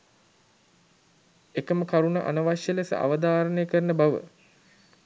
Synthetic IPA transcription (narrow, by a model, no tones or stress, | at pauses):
ekəməkaɾunaʔa̰nəʋaʃjəlesə̰ʔa̰ʋəd̪aːɾənejəkəɾənəbaʋə̰